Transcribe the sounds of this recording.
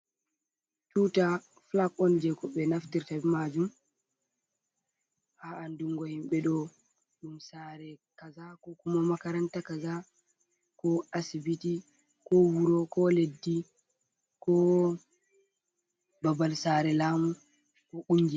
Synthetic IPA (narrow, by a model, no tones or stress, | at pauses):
t͡ʃuta | flakɔnd͡ʒɛkɔɓɛnaftiɾtabɛmad͡ʒum | haʔanduŋɡɔhimɓɛɗɔ | ɗumsaɾɛkazakɔkumamakaɾantakaza | kɔasibiti | kɔwuɾɔkɔledːi | kɔ | babalsaːɾɛlaːmu | kɔʔuɲd͡ʒi